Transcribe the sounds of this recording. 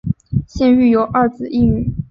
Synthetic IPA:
ɕjɛ˥˧ny˥˩jo˨˧˥ʊʔɐ˥˩t͡sɹ̩˨˩˦i˥˧ny˨˩

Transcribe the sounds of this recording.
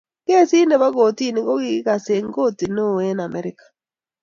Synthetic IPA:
ke˦si˦ne˨ba˦ɡo˨ti˦˨ni˨˦ɡo˦ɡɪ˦ka˨se˨ŋɡo˦ti˨no˦˨e˦na˨mɛ˦ɾɪ˦kḁ˨

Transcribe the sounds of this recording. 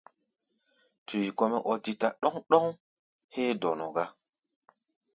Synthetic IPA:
tʰu˨jkɔ˦mɛ˦ʔɔ˨ti˨ta˨ɗɔ˦ŋɗɔ˦ŋ | heː˦dɔ˨nɔ˨ɡa˦

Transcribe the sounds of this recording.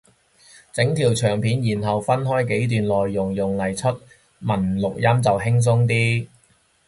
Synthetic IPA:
t͡sɪ˨˥ŋt̪ʰiː˨˩wt͡ʃʰœː˨˩ŋpʰiː˨˥njiː˨˩nɦɐ˨wfɐ˥nɦɔː˥jke˨˥jt̪̬yː˨nlɔː˨jːʊ˨˩ŋjʊ˨ŋlɐ˨˩jt͡ʃʰɵ˥t̚ | mɐ˨˩nlʊ˨k̚jɐ˥mt͡sɐ˨wɦɪ˥ŋs̬ʊ˥ŋt̪iː˥

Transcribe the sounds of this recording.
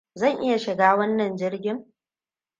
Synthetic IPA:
zɐ˦˨ŋʔɪ˦ja˨ʃɪ˨ɡaː˦wɐ˦nːɐ˨nd͡ʒɪ˦rɡʲɪ˦ŋ

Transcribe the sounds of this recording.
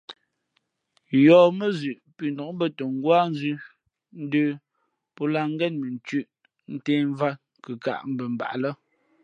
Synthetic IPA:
jɔː˨mə˦zʉ˨ʔpi˨ndɔ˨kbə˦˨tə˨ŋ˦ɡwaː˦n˦zʉ˦ | n̩˦dəː˦ | pɔ˦la˦˨ŋ˦ɡɛ˦nmə˨n̩˨t͡ʃʉ˦˨ʔ | n̩˦teː˦ɱ˦va˦ | kə˨ka̰˨ʔm̩˦bə˨m˨ba̰˨ʔlə˦

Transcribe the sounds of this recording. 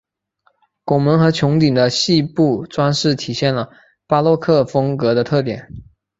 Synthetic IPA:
kwɔ˨˩mə˧˥nxɤ˧˥t͡ɕʰjʊ˧˥ŋt̪i˨˩ŋd̪ə˦ɕi˥˧pu˥˩ʈ͡ʂwa˥nʂɻ̩˥˩t̪ʰi˨˩ɕjɛ˥˩nlə˩ | pa˥lwɔ˥˧kʰɤ˥˩fɤ˥ŋkɤ˧˥d̪ə˧t̪ʰɤ˥˩t̪jɛ̰˨˩˦n

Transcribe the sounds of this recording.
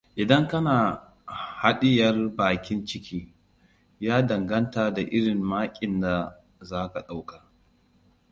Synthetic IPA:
ʔɪ˨dɐ˦ŋkɐ˦naː˨ | ha˦ɗɪ˦jɐ˦rbaː˨kʲɪ˦nt͡ʃɪ˦kʰʲiː˦ | jaː˦dɐ˨ŋɡɐ˦ntaː˨da˨ʔɪ˦ɽɪ˨mmaː˦kʲʼɪ˨nda˨ | zaː˦ka˨ɗa˦wka˨

